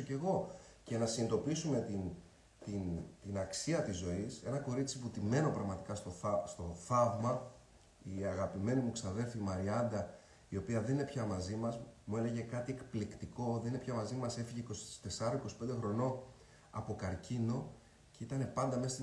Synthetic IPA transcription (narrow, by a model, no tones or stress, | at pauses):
oce̞ɣo̞ | ce̞nɐsinit̪o̞pisume̞t̪in | t̪int̪inɐksiɐt̪izːo̞ise̞nɐko̞ɾit͡siput̪ime̞no̞pɾɐɣmɐt̪ikɐst̪ost̪o̞θɐvmɐ | iɐɣɐpime̞nimuksɐðe̞lfimɐɾiɐnd̪ɐ | io̞piɐðe̞nine̞pçɐmɐzimɐzmue̞le̞ʝe̞kɐt̪iekplikt̪iko̞ðe̞nine̞pçɐmɐzimɐse̞fiʝeiko̞st̪e̞sɐɾoiko̞si̥pe̞nd̪e̞xɾo̞no̞ | ɐpo̞kɐɾcʰino̞ | ceit̪ɐne̞pɐnd̪ɐmest̪i